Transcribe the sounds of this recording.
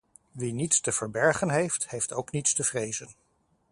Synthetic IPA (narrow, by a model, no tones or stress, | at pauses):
ʋinitstəv̥əɹbɛɹχənɦejfthejftowknitstəv̥rejzən